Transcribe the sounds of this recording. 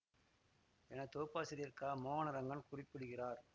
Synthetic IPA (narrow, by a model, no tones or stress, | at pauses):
ɛnɐt̪oːpːaːsɐɾɪɾkaːmoːnɐɾɐŋɡɐɳkʊrɪpːɪɽɯɣɪraːɾ